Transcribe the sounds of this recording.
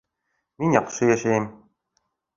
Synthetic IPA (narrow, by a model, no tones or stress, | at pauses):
minʲjɑqʃɤjæʃæjɘm